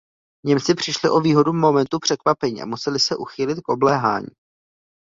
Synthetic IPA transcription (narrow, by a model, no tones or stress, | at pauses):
ɲɛmt͡sɪpr̝̥ɪʃlɪʔo̞viːɦo̞dumo̞mɛnt̪upr̝̥ɛkvapɛɲḭːʔa̰musɛlɪsɛʔuxiːlɪt̪̚kʔo̞blɛːɦa̰ːɲḭː